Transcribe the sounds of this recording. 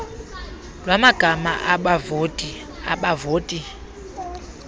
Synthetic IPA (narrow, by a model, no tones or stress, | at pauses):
lwamaɡ̥ʱama̰ʔaɓavotʼi | aɓavoːtʼi